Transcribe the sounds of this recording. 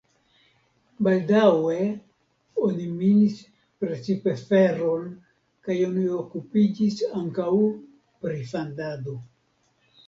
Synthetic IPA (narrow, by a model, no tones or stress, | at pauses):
baldawe̞ | oniminis | pɾe̞t͡sipe̞fe̞ɾo̞n | kajo̞niokupid͡ʒisaŋkaw | pɾifandado̞